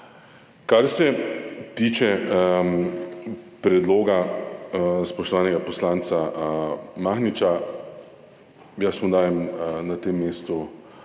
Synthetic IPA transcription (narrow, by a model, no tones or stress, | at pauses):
kaɾsɛt̪iːt͡ʃɛ | pɾɛd̪loːɡa | spɔʃt̪ɔʋaːnɛɡapɔslaːnt̪sa | maːxnit͡ʃa | jasmod̪aːjɛmnat̪emːeːst̪u